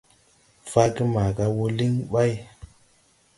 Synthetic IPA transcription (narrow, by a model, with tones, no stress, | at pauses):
fa˦ki˦ma˨ka˧wo˦li˦ŋɓa˦j